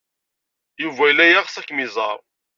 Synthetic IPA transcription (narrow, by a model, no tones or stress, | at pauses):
juvæjlːæjæʁsækːmizˤɑ̰ɾˤ